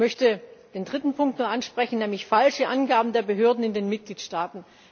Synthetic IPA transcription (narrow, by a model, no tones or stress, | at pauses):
mœçtəd̥eːndʁɪtn̩pʰʊŋk̚tnuːɐʔanʃpʁ̥ɛçn̩nɛːmlɪçfalʃəʔanɡaːbm̩deːɐbəɦøːɐdn̩ɪndeːnmɪt̚ɡ̥liːtʃtaːtn̩